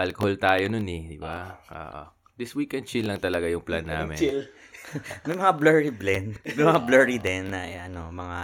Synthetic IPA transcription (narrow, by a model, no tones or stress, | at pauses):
ʔɐlkoholt̪aːjononɛd̪ɪbaʔo̰ːʔo̰ | d̪ɪswiːkɛnd̪̚t͡ʃilːɐŋt̪ɐlɐɡajʊŋpla̰nːa̰ːmɪ̰l | mɐjmɐŋablɛɹiblɛnmɐjmɐŋablɛːɹid̪ɛnːɐʔɛʔɐnomɐŋa